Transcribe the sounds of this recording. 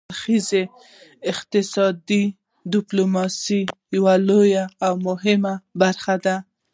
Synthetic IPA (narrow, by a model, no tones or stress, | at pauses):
ɾxize | ɪqt̪ɪsɑd̪i | dɪplomɑsijawalojaːwmʊɦɪmabaɾxad̪a